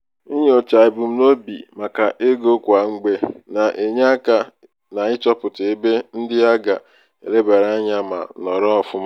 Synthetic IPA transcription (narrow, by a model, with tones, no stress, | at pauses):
i˦ɲe˦o˨t͡ʃa˨ɪ˨bʊ˨m̩˦no˦bḭ˨ma˨ka˨ʔe˦ɡo˦kʷa˨ŋ͡m̩˦ɡ͡be˦na˨ʔe˨ɲa˦ka˨ | na˨ɪ˦t͡ʃɔ˦pʊ˨te˨be˦n̩˦dɪ˦a˦ɡa˨ | ḛ˨le˦ba˨ɾa˦a˦ɲa˦ma̰˨nɔ˨ɾɔ˦ɔ˨fʊ˦m˦